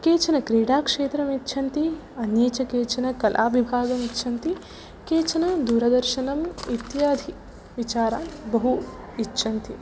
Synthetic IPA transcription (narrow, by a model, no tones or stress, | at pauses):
keːt͡ʃɐnɐkɾiːɽaːkʂeːt̪ɾɐmitːʃʰɐnt̪i | ɐnjiːt͡ʃɐkeːt͡ʃɐnɐkɐlʔa̰ːbʱibʱaːɡɐmitːʃʰɐnt̪i | keːt͡ʃɐnɐd̪uːɾɐd̪ɐɾʃɐnɐmit̪jaːd̪ʱi | ʋit͡ʃaːɾaːmbɐɦu | it͡ʃːʃʰɐnt̪i